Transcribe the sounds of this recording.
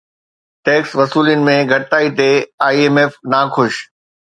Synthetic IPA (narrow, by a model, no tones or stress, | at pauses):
ʈeːksʋɐsuːljənɪ̆mẽɡʱɐʈt̪aːit̪ʰeːaːieːmeːfnaːkʰʊʃ